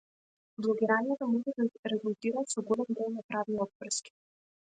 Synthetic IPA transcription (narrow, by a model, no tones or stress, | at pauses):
vlˠɔɡʲiɾanijɛt̪ɔmɔʒɛd̪aɾɛɡulˠt̪iɾaːt̪sɔɡɔlɛmɡɔlˠnapɾavniɔd̪̚vɾ̩skʲi̥